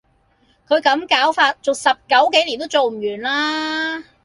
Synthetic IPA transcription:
kʰɵ˨˧ɥkɐ˨˥mkaː˨˥wfaː˧t̚t͡so˨wsɐ˨p̚kɐ˨˥wke˨˥jliː˨˩nt̪o˥wt͡so˨wm̩˨˩jyː˨˩nlaː˥

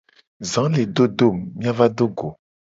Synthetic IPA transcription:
zã˨˦le˨ɖo˦do˦˨mːĩ˦a˦va˦do˦ɡo˨

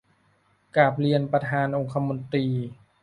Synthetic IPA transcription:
kaː˨˩p̚li˧ənpɾa˧t̪ʰaː˧nʔo˧ŋkʰa˧mo˧nt̪ɾiː˧

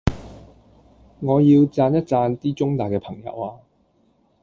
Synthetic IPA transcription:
ŋɔː˨˧jiː˧wt͡saː˧njɐ˥t̚t͡saː˧nt̪iː˥t͡sʊ˥ŋt̪aː˨jkɛː˧pʰɐ˨˩ŋjɐ̰˨˧˥waː˧

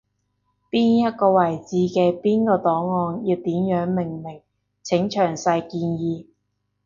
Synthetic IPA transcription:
piː˥njɐ˥t̚kɔː˧wɐ˨˩jt͡siː˨˧kɛː˧piː˥nkɔː˧t̪ɔː˨˥ŋːɔː˧njiː˧wt̪iː˨˥mjœː˨˥ŋmɪ˨˩ŋmɪ˨˩ŋ | t͡sʰɪ˨˥ŋt͡ʃʰœː˨˩ŋsɐ˧jkiː˧njiː˧

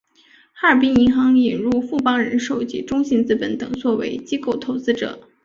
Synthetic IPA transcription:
xa˥ə˞˨˩pi˥ni˧˥nxɑ˧˥ŋi˨˩nɻu˥˧fu˥˩pɑ˥ŋɻə˧˥nʂo˨˩ʊt͡ɕḭ˥˨˩ʈ͡ʂʊ˥ŋɕi˧˥nt͡sɹ̩˥pə˧˩nt̪ɤ˨˩ŋt͡swɔ˥˩wḛ˧˥ɪt͡ɕi˥ko˥˩ʊt̪ʰo˧˥ʊt͡sɹ̩˥ʈ͡ʂɤ̰˨˩˦

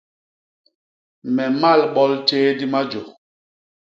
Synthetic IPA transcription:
mɛ˨ma˦˨lɓɔ˦lt͡ʃeː˦di˦ma˦d͡ʒo˨

